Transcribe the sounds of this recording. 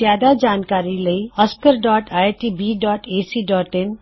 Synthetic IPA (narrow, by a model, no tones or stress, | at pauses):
jad̪ad͡ʑaːnkaɾiləiəskəɾɖɔːʈajʈibiɖɔːʈesiɖɔːʈen